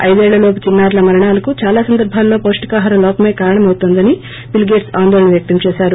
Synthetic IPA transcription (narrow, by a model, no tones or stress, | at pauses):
ɐ̰jd̪ɛːɭːɐloːpɐt͡ʃinːaːɾlɐmɐɾɐɳaːlɐkut͡ʃaːlaːsɐnd̪ɐɾbʱaːlːo̞ːpoːʂʈi̥kaːɦɐːɾɐlɔːpɐme̞ːkaːɾɐɳɐmɐwut̪ond̪ɐni | bilɡeːʈsaːnd̪ɔːlɐɳɐʋjɐk̚t̪ɐmt͡ʃɛːʃaːɾu